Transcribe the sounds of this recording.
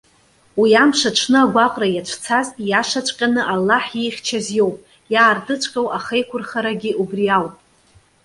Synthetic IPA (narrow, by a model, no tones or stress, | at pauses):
wiamʂaʈ͡ʂʰnɨaɡʷaqʼrajat͡ʃʷʰt͡sʰaztʼjaʂat͡ʃʷʼqʲʼanɨʔalːaħjejχʲt͡ʃʰazjo̞wpʼ | jaːrdɨt͡ʃʷʰʼqʲʼawʔaχejkʷʰʊrχaɾaɡʲɪʔubriawpʼ